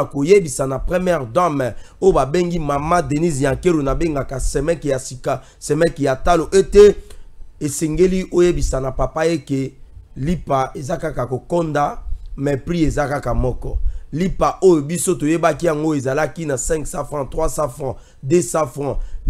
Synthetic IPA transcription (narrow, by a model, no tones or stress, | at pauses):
kojebisanapʁemjɛʁdamojobabeŋɡimamadenisjakelonabeŋɡakasɛmɛkjasika | sɛmɛkejataloʔete | eseŋɡeliʔojebisanapapaekelipaezakakakokɔndamɛpʁiezakakamɔkɔ̰lipaʔojobisotojebakijaŋɡoezalakinasɛ̃ŋksãfʁɑ̃tʁwasafɑ̃ | desãfʁɑ̃